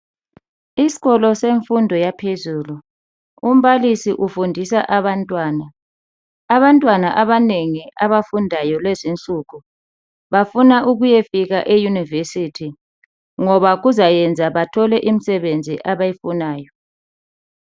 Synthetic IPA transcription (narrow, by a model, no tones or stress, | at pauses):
isi̥ɣɔlɔseɱfundʱɔjapʰezuːlu | um̩βalisiʔufundʱisaʔaβantʼwaːnaː | βantʼwanaʔaβaneŋiʔaβafundʱajɔlezint͡ɬʼuɣu | βafunaʔuɣujefiɣaʔejunivesitʰi | ŋɔβaɣuzajɛnd͡zʱaβatʰɔlɛʔim̩sɛβend͡zʱiʔaβajifunaːjɔ